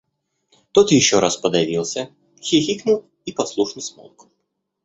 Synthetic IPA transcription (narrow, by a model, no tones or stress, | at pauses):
t̪ot̪jɪɕːoɾaspəd̪ɐvʲilˠsʲə | xʲɪxʲiknʊlˠ | ipɐslˠuʂnɨsmo̰lˠkʊ̥